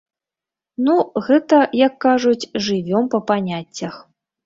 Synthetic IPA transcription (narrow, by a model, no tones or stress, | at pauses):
nuɣɛt̪ɐjɐkːaʐut͡sʲʐɨvʲɔmpɐpanʲat͡sʲːɐx